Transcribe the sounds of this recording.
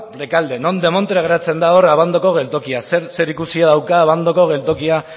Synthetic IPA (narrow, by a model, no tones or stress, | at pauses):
le̞kald̪e̞no̞nd̪e̞mo̞nt̪ɾeaɣeɾat͡se̞nd̪ao̞ɾaβand̪o̞ko̞ɣe̞lt̪o̞kiaseɾse̞ɾikusiaðawkaːβand̪o̞ko̞ɣe̞lt̪o̞kia